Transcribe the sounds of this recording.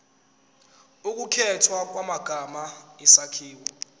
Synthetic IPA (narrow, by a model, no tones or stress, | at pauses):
uk̬ʼukʰɛtʰwak̬ʼwamaɡ̥ʱamaisakʰiːwɔ